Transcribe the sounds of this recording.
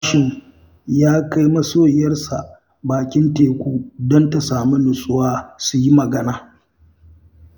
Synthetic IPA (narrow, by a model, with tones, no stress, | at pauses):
ʃɪ˨ŋ | jaː˦ka˦jmɐ˦soː˦˨jɐ˦rsa˨ | baː˨kʲɪ˦nteː˨kʷʼuː˦dɔ˦nta˨saː˨mu˦lʊ˨sʼʊ˦waː˦su˨ji˦mɐ˨ɡɐ˦naː˨